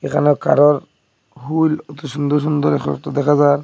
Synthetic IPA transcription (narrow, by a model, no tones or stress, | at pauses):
ekʰa̰nɔka̰ɾɔɾ | ɦulɔt̪ɔʃund̪ɔʃ̬und̪ɔɾɛkʰa̰nɔ̰t̪ɔd̪ɛkʰazaɾ